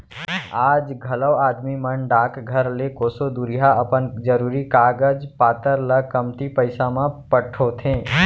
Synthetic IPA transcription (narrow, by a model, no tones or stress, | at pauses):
aːd͡ʒɡʱɐləʋaːd̪mimənɖaːkɡʱəɾlekoːsod̪uɾɪjaəpənd͡ʒəɾuːɾikaːɡəd͡ʒpaːt̪əɾləkəmt̪ipəɪsamãpəʈʰot̪ʰẽː